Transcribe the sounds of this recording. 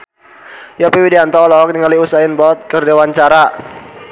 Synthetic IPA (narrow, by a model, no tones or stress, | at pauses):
jɔpiwidiant̪ɔlɔk̚niŋaliusaɪnbɔt̪̚kərdewant͡ʃaɾa